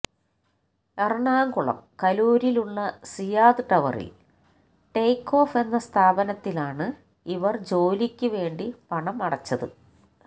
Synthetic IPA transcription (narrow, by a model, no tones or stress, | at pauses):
erɳaːŋɡuɭɐ̰mkɐluːɾiluɭːɐsijaːd̪ɨʈɐʋɐ̰rḭl | ʈejkːo̞ːfe̞nːɐst̪ʰaːbɐnɐt̪ːilaːɳɨ | iʋɐrd͡ʑo̞ːlikʲːuʋe̞ːɳɖipɐɳɐmɐɽɐt͡ɕːɐðɨ̰